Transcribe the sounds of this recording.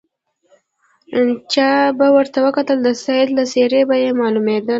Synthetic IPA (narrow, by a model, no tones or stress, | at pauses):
t͡ʃɑbawəɾt̪awəkat̪əld̪əsajt̪laseɾebajemɑlumed̪əl